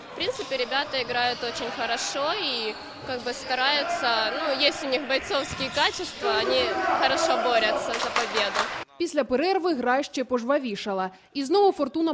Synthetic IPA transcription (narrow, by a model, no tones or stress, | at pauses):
fpɾʲint̪sɨpʲɪɾʲɪbʲat̪ɐɪɡɾajʊt̪ot͡ɕɪnʲxɐɾɐʂoi | kaɡ̚bɨst̪ɐɾajʊt̪sɐnujesʲtʲʊnʲixbɐjt̪sofskʲɪjɛkat͡ɕɪst̪vɐɐnʲixɐɾɐʂoboɾʲɐt̪sːɐzɐpɐbʲe̞d̪ʊpʲisʲlʲɐpeɾɛrʋɨɦɣɾajʃt͡ʃɛpɔʐʋɐʋʲiʂɐlˠɐ | iznoʋʊfɔrt̪unɐ